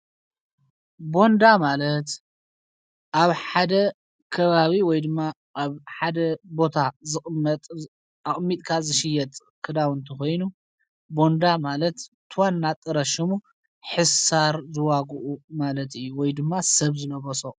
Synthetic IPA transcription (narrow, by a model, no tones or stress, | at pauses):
bo̞nd̪amalɐt̪ | ʔaβħad̪ɐ | kʰɐβaβiwɔjd̪ɨmːa | ʔːβħad̪ɐbo̞t̪ʰazɨχʼɐt̪ʼ | aχʼmːit̪ʼkʰazɨʃɪjːɛt̪ʼ | kʰɨd̪awɨnt̪ʰiko̞jnu | bo̞nd̪amalɐt̪ːʰ | ɨwanːat̪ʼːɨɾɐʃɨmu | ħɨsaɾzɨwaɡuʔumalɐt̪ɨjːuwɔjd̪ɨmːasɐβzɨnɐβɐso